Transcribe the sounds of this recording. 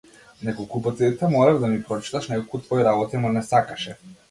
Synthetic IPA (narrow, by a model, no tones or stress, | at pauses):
nɛkɔlˠkupɔt̪siit̪ɛmɔɾavd̪amipɾɔt͡ʃi̥t̪aʃnɛkolkut̪vɔiɾabɔt̪imɔnɛsakaʃɛ